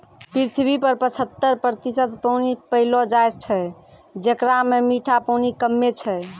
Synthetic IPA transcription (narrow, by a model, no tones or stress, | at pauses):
pɾiɾt̪ʰbipəɾpət͡ʃʰət̪ːəɾpɾt̪isət̪pəwnipəɦilɔd͡ʒajst͡ʃʰɛ | d͡ʒekɾamemiʈʰapəwnikəmːet͡ʃʰɛ